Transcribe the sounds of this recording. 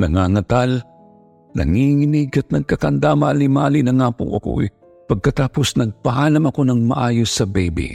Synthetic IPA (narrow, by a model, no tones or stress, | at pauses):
nɐŋaŋɐt̪al | nɐ̰ŋiŋɪnɪɡɐt̪̚nɐɡ̚kɐkɐnd̪amaːlimaːlɪnɐŋaːpo̰ʔɐ̰ko̞̰ɛ̰ | pɐɡ̚kɐt̪aːpo̞snɐɡ̚pɐhaːnɐmɐko̞nɐŋmɐ̰ʔaːjo̞sːɐbɛjbḭ